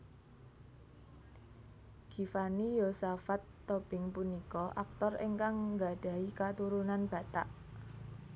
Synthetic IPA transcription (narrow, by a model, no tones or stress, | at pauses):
ɡ̥ifanijosafat̪ːob̥ɪŋpunikɔʔak̚t̪ɔrḛŋkaŋɡad̥a̤ikat̪uɾunanb̥a̤t̪aʔ